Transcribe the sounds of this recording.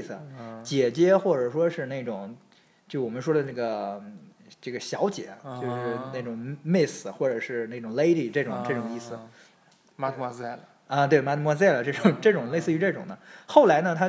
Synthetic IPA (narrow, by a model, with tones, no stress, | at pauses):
s̩˩t͡ɕjɛ˨˩t͡ɕjɛ˥xwɔ˥˩ʈ͡ʂɤ˨˩ʂwɔ˥ʂɻ̩˥˧na˥˩ɪʈ͡ʂʊ˨˩˦ŋ | t͡ɕjo˥˩ʊwɔ˨˩mə˦nʂ̬wɔ˥d̪ə˨˧na˥˩ɡə˩ | ʈ͡ʂɤ˥˩ɡə˩ɕjɑ˧˥ʊt͡ɕjɛ̰˨˩˦t͡ɕjjo˥˧ʊʂɻ̩˥˩na˥˩ɪʈ͡ʂʊ˨˩ŋmi˥˩s̩˩xwɔ˥˩ʈ͡ʂɤ˨˩ʂɻ̩˥˧na˥˩ʈ͡ʂʊ˨˩ŋle˥ɪd̪i˨˩ʈ͡ʂɤ˥˩ʈ͡ʂʊ˨˩˦ŋʈ͡ʂɤ˥˩ʈ͡ʂʊ˨˩˦ŋi˥˩sɹ̩˩ | ma˥mɔ˥a˥˩l | ə˧t̪we˥˩ɪma˥t̪mwɔ˥˧t͡sa˥˩lə˩ʈ͡ʂɤ˥˩ʈ͡ʂʊ˨˩ŋʈ͡ʂɤ˥˩ʈ͡ʂʊ˨˩ŋle˥˧sɹ̩˥˧y˧˥ʈ͡ʂɤ˥˩ʈ͡ʂʊ˨˩ŋd̪ə˦xo˥˩ʊla˧˥ɪnə˧t̪ʰa˥